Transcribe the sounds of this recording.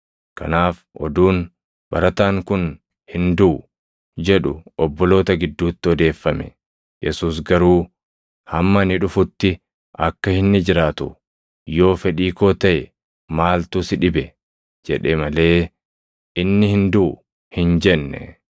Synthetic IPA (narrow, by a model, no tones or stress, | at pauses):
kɐ̰naːf | ʔɔ̰d̪uːn | bɐɾɐt̪aːŋkʊn | hɪnd̪uʊ | d͡ʒɛᶑʊɔbːɔlo̞ːt̪ɐɡɪd̪ːuːt̪ːɪɔd̪e̞ːfːɐmɛ̰ | jɛsuːs̬ɡɐɾuː | hɐmːɐnɪᶑʊfʊt̪ːɪ | ʔɐkːɐhɪnːɪd͡ʒɪɾaːt̪ʊ | jo̞ːfɛᶑiːko̞ːt̪ɐʔɛ | maːlt̪uːsɪᶑɪbɛ | d͡ʒɛᶑɛmɐle̞ː | ʔɪnːɪhɪnd̪uʊ | hɪnd͡ʒɛnːɛ̰